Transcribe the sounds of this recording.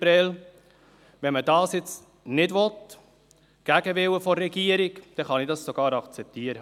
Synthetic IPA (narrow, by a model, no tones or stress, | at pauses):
ɾɛl | ʋɛnmədɑːsjɪt͡s | nɪdʋɔt | ɡ̥æɡəʋɪwəfɔrːɛɡiːəɾikd̪̥ɛχɑnidɑssoɡ̥ɑːɾɑkt͡sɛp̚t̪iːəɾə